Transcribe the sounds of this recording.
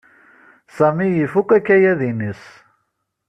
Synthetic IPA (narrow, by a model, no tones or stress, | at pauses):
samijifukækæjæðinis